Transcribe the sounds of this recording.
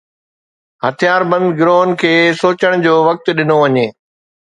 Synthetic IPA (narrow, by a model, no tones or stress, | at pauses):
hɐt̪ʰijaːɾbɐ̃nd̪ɡɾoːnkʰeːsoːt͡ɕəɽ̃d͡ʑoːʋɐk̚t̪ɗɪnoʋɐɲeː